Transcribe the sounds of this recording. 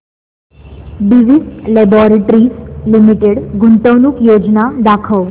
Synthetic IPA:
biʋislɛbɔɾeʈɾislimiʈeɽɡʱunt̪əʋnukjod͡ʒnad̪akʰəʋ

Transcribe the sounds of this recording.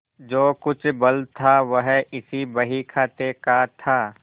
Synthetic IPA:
d͡ʒoːkʊt͡ʃʰbɐlt̪ʰːaʋəɦɪsibɐɦikʰaːt̪eːkat̪ʰaː

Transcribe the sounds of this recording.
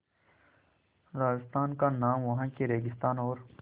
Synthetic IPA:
ɾaːd͡ʒɪst̪aːnkanaːmʋɐɦãːkeɾeːɡɪst̪aːnoːɾ

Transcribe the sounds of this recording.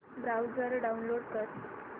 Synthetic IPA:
bɾawd͡zəɾɖaunloɽkət

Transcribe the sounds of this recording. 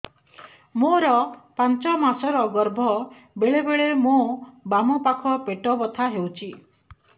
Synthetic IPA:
moɾɔpant͡ʃɔmasɔɾɔɡɔɾbʱɔ | beɭebeɭemobamɔpakʰɔpeʈɔbɔt̪ʰaɦewt͡ʃʰi

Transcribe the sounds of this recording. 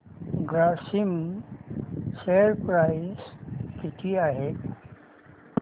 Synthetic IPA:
ɡɾaːsim | seɾpɾaɪskɪʈ̪iaɦe

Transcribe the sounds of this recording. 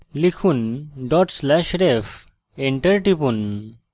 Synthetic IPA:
likʰunɖɔʈslɛʃɾef | eɳʈəɾʈipun

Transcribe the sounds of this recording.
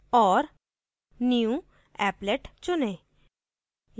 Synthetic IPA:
ɔːɾ | niũ | ɛːpleʈt͡ʃʊne

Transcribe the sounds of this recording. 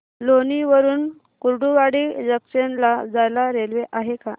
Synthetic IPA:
loniʋəɾuːn | kuɾɖuʋaɽiːd͡ʑəksenlad͡zajlaɾelʋeʔaɦeka

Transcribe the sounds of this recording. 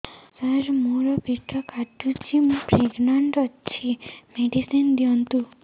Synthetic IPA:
saɾmuɾɔpiʈʰːɔkaʈːut͡ʃʰimũpɾeɡnaɳʈɔːt͡ʃʰimeɖisind̪ijɔnt̪u

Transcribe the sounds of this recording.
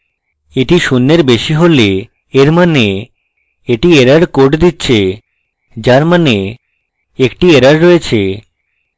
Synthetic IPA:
eʈiʃunːeɾbeʃiɦole | eɾmane | eʈieɾaɾkoʈd̪itːɕʰe | d͡ʑaɾmane | ekʈieɾaɾːɔet͡ɕʰe

